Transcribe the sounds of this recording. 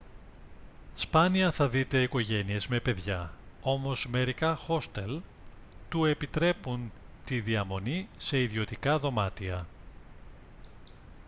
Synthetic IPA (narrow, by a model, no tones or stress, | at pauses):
spɐniɐθɐðit̪e̞iko̞ʝe̞nie̞zme̞pe̞ðʝɐo̞mo̞zme̞ɾikɐxo̞st̪el | t̪ue̞pit̪ɾe̞punt̪iðiɐmo̞nise̞iðio̞t̪ikɐðo̞mɐt̪iɐ